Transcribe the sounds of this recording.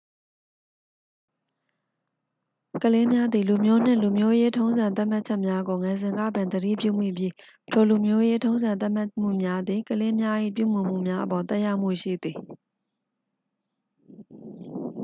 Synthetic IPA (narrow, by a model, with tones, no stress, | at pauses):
kəle˦mja˦d̪ði˨lu˨mjo˦n̥ɪ̰̃˦˨lu˨mjo˦je˦tʰõ˦ʊ̃nzã˨t̪̬a˦m̥a˦t̚t͡ɕʰɛ˦ʔmja˦ɡo˨ŋɛ˨zɪ̃˨ŋɡä̰˦˨bɪ̃˨nd̪əɾḭ˦˨pjṵ˦˨m̥ḭ˦˨bji˦ | ətʰo˨lu˨mjo˦je˦tʰõ˦ʊ̃nzã˨nt̪a˦ʔm̥a˦m̥ṵ˦˨mja˦d̪ði˨kəle˦mja˦ʔḭ˦˨pjṵ˦˨m̥ʊ̃˨m̥ṵ˦˨mja˦ʔə˨pɔ˨t̪ɛ˦ʔja˦ʊm̥ṵ˦˨ʃḭ˦˨d̪ði˨